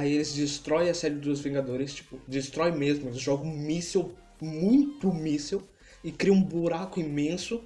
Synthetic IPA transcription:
aielɪzd͡ʒist̪ɾɔjɐsɛɾɪɪd̪uɐzvĩŋɡad̪oɾɪst͡ʃi̥pʊd͡ʒist̪ɾɔjmezmʊelɪzʒɔɡʊ̃misew | mũj̃t̪ʊmisew | ɪkɾiɐ̃ũbuɾakʊĩmẽsʊ

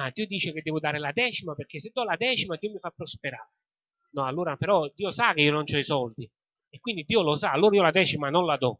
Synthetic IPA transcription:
ad̪iːod̪iːt͡ʃɪk̟ed̪ːɛːvʊd̪aːɾɪlad̪ɛːt͡ʃimaperk̟ːesːed̪ːɔlad̪ɛːt͡ʃimad̪iːomifapːɾɔspeɾaːɾe | nɔalːoːɾapeɾɔd̪iːosak̟eiːonont͡ʃɔisɔld̪i | ekːwind̪id̪ːiːolosaalːoːɾaiːɔlad̪ɛːt͡ʃimanonlad̪ɔ

